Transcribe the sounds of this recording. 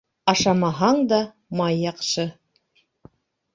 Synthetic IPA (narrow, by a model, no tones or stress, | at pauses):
ɑʃɑmɑɦɑɴd̪ɑ | mɑjːɑqʃɤ